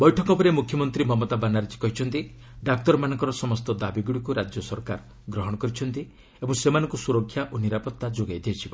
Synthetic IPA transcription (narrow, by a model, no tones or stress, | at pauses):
bɔjʈʰɔkɔpɔɾemukʰjɔmɔnt̪ɾimɔmɔt̪abanaɾet͡ʃʰi̥kɔɦit͡ʃʰɔnt̪i | ɖak̚t̪ɔɾmanɔ̃ŋkɔɾɔsɔmɔst̪ɔd̪abiɡuɽikuɾad͡ʒjɔsɔɾkaɾ | ɡɾɔɦɔɽ̃ɔkɔɾit͡ʃʰɔnt̪i | ebɔŋsemanɔ̃ŋkusuɾɔkʰːjaʔoniɾapɔt̪ːad͡ʒoɡajd̪iet͡ʃʰibɔ